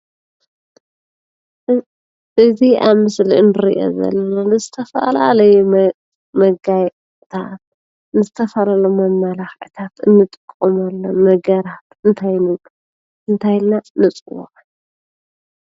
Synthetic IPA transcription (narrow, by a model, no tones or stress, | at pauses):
ʔɨziʔaβmɨsliʔɨnɨɾḭʔo̰zɐ̰lːɐnanɨzɨt̪ʰɐfɐ̰la̰lɐjɛ | mɐɡaj | t̪ʰat̪ | nɨzɨt̪ʰɐfɐlalomɐmːalaxʕit̪ʰat̪ɨnːɨt̪ʼɨkʼːomalːɐmɐɡɐɾat̪ɨnt̪ʰajnɨɡ | ʔɨnt̪ʰajlnanːɨt͡sʼɨwo̰ʔ